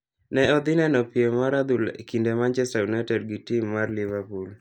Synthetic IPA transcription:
nɛɔd̪ɪnɛnɔpjemaɾad̪ulḛkindemant͡ʃɛstaunɛtɛdɡitimːarlɪvapul

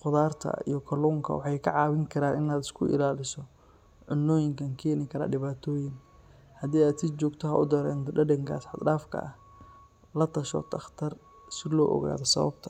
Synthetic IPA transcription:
χʊðaːrt̪ʰɐ̰ḭjɞkʰɐluːŋkʰɐ̰wɑħɑjkʰɐʕɑːwɪŋkʰɐɾaːnɪnaːd̪ɪskʰʊʔɪ̰laːlɪsɔ | ʕʊnːɔːjɪŋkʰɐŋkʰɛːnɪkʰɐɾa̰ːɖɪβaːt̪ʰɔːjɪŋ | hɐd̪iːaːd̪sɪt͡ʃɔːɡt̪ʰɔɦɐʔʊd̪ɐɾɛ̰ːnt̪ʰɔɖɐɖɐŋkʰa̰ːsħɑd̪ɖaːfkʰɐ̰ʔɐh | lɐt̪ʰɐʃɔ̰t̪ʰɐχt̪ʰɐr | sɪlɔ̰ːʔɔ̰ɣa̰ːðɔsɐ̰βɐ̰b̚t̪ʰɐ

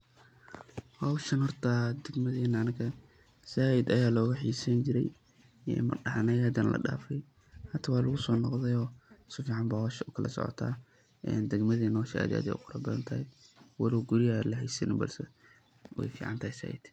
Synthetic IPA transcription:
hɐwʃɐnhɔrt̪ʰɐd̪ɛɡmɐðɛːnɐːnɐkʰɐ | saːɪd̪ɐjaːlɔːɣɐħiːsɐnt͡ʃɪɾɛj | ɛ̰mɐ̰ɖɑʕnɛjaːd̪ɐnlɐ̰ɖa̰ːfɛj | hɐt̪ʰɐwɑːlʊɣʊsɔːnɔqðɛjɔːsʊfiːʕɑmbaːhɔwʃʊkʰɐlɐsɔ̰ʕɔ̰t̪ʰa̰ː | ʔɛ̰ːnd̪ɐɡmɐðɛːnːhɔwʃʔa̰ːd̪a̰ːd̪ɛ̰jʔʊqʰʊɾɐbɐðɐ̰nt̪ʰɐhɪwɐlɪɡʊɾɪjɐlɐɦɛjsɐ̰nɪbɐ̰lsɛ | wɛ̰jfḭːʕɑnt̪ʰɐɦɪsa̰ːʔɪ̰d̪̥

